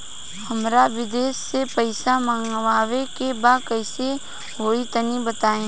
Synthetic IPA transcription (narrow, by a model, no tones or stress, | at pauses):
hɐmɾaʋɪd̪eːsːepəɪsamə̃ŋɡʋaːʋekebaːkəɪse | ɦoːit̪ənibət̪aːẽː